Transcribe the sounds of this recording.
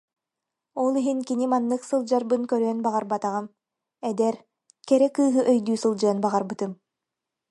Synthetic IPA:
ɔlˠiɦinkinimanːɯksɯlˠd͡ʑaɾbɯnkœɾœœnbaʁaɾbat̪aʁɯm | ɛd̪ɛɾ | kɛɾɛkɯːɦɯʔœjd̪yːsɯlˠd͡ʑɯɐnbaʁaɾbɯt̪ɯm

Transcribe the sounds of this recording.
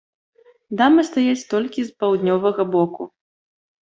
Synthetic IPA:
d̪amɨst̪ajat͡sʲt̪ɔlʲkʲispawd̪nʲɔvɐɣɐbɔku

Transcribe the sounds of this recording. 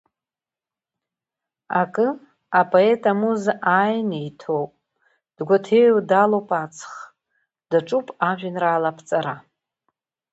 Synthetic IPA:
akʼɨ | apʼʰoe̞tʼamuzajnejtʰowpʼ | d̥ɡʷatʰewdalowpʼat͡sʰχ | d̥aʈ͡ʂʼupʼaʒᶣɪnraːlapʰt͡sʼaɾa

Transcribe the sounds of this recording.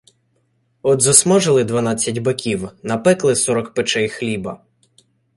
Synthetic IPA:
ɔd̪zɔsmɔʒɪlˠɪd̪ʋɐnɑt͡sʲːɐtʲbɐkʲiwnɐpɛklˠɪsɔɾɔkpɪt͡ʃɛjxlʲibɐ

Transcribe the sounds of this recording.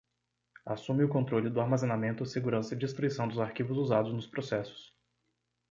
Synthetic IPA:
a̰sũmɪʊkõnt̪ɾolɪd̪ʊaɾmazenamẽnt̪ʊɪseɡuɾɐ̃sɐɪd͡ʒist̪ɾuisɐ̃w̃d̪ʊzaɾkivʊzuzad̪ʊznʊspɾosɛsʊ̥s

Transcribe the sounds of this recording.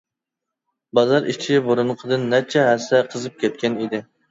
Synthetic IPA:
bɑzɑɾit͡ʃʰiboɾunqʰəd̪ɨnːɛt͡ʃʰɛɦɛsːɛqʰəzɨp̚kʲʰɛt̪̚kʲɛnid̪ɪ

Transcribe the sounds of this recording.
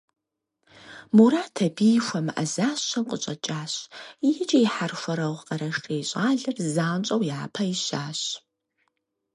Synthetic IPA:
muɾaːtʰɐbiːxʷɐmɨʔɐ̰zaːɕɐnqʼət͡ʃʼɐt͡ʃʼaːɕjɪt͡ʃʼɐjiħarxʷɐɾɐwqʼɐɾɐʂʈʰʼejɕʼaːɮɐrzaːnt͡ʃʼɐwjaːpʰɐiɕaːɕ

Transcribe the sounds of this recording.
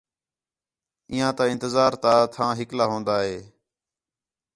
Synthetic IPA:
iːɦãːt̪aːɪ̃nt̪ɪzaːɾt̪aːt̪ʰãːɦɪklaːɦõːnd̪aːɦeː

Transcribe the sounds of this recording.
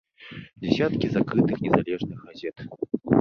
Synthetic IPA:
d͡zʲɛsʲat̪kʲizakɾɨt̪ɨxnʲɛzalʲɛʐnɨxɣazʲɛt̪

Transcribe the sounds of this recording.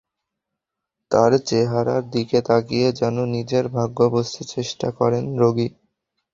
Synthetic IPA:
t̪aɾt͡ɕeɦaɾaɾd̪iket̪ʰaɡijed͡ʑɛnonid͡ʑeɾbʱaɡːɔbost̪ʰit͡ɕeʃʈakɔɾenɾoɡi

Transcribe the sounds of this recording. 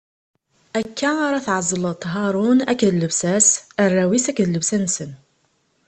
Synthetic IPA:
ækːæaɾˤɑθʕəzˤːələt̪ˤːɦɑɾˤunækːðləbsæsərˤːæwisækːðləbsænsən

